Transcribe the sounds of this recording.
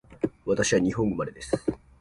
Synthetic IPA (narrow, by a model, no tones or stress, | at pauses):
βat̪aɕiβaɲ̟iɦõ̞ŋɡomad̪e̞d̪e̞sɨ̥